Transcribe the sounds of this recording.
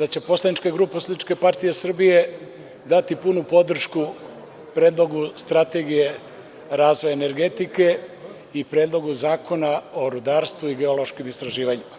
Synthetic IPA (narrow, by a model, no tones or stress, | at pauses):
d̪at͡ɕe̞po̞slanit͡ʃkeɡɾuːpesd̪it͡ʃke̞paɾt̪ije̞sr̩bije̞ | d̪at̪ipunupo̞d̪r̩ʃku | pɾeːd̪lˠo̞ɡust̪ɾat̪e̞ɡije̞ | ɾaːzʋo̞jaeneɾɡe̞t̪ike̞ | ipɾe̞ːd̪lˠo̞ɡuzaːkʰo̞nao̞ɾud̪aːɾst̪ʋuiɡe̞olo̞ʃkimist̪ɾaʒiːʋaɲum